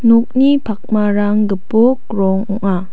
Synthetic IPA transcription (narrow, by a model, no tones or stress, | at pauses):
nɔk̚nipʰak̚maɾaŋɡəpok̚ɾɔŋɔŋa